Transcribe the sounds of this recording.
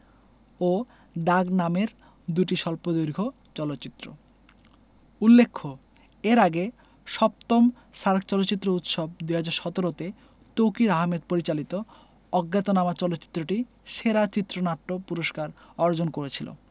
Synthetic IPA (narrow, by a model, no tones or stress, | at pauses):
o | d̪aɡnameɾ | d̪uʈiʃɔlpod̪ojɾɡʱo | t͡ɕɔlot̪ːɕit̪ːɾo̰ | ulːekʰːo | eɾaɡe | ʃɔp̚t̪om | ʃaɾkʰt͡ɕɔlot̪ːɕit̪ːɾout̪ʃob̚d̪uɦad͡ʑaɾʃɔt̪oɾot̪e | t̪owkiɾaɦmed̪poɾit͡ɕalit̪o | ɔɡːat̪onamat͡ɕɔlot̪ːɕi̥t̪ːɾoʈi | ʃeɾat͡ɕit̪ːɾonaʈːopuɾoʃkaɾɔɾd͡ʑonkoɾet͡ɕʰilo̰